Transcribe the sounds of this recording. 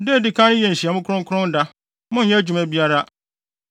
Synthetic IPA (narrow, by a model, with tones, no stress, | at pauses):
de˦˨dɪ˨kʰã˦n˦jɛ˨n̩˨ɕi˨a˨mʊ̃˦kʰʊ˦ʊ̃˦ŋ˦kʰʊ˦ʊ̃˦n˦da˦ | mʊ̃˦ɛ̃˦d͡ʑu˨mɛ̃˦bi˦a˦ɾa˦